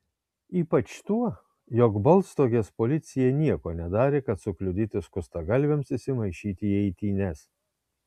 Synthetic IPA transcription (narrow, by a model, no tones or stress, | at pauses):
iːpɐt͡ʃt̪uɔ | jɔkbɐlˠst̪oːɡʲespolʲɪt̪sʲɪjɛnʲiɛkoːnʲɛd̪ɑːɾʲeːkɐt̪sʊklʲʊd̪ʲiːt̪ʲɪskʊst̪ɐɡɐlʲʋʲɛmsɪsʲɪmɐɪʃʲiːt̪ʲɪːɛɪt̪ʲiːnʲɛs